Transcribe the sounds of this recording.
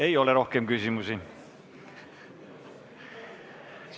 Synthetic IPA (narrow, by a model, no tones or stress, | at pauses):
e̞jo̞leɾohkemkysimusi